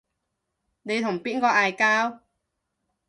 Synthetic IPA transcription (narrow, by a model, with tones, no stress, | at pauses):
ne˨˧jt̪ʰʊ˨˩ŋpiː˥nkɔː˧ʔaː˨jkaː˥w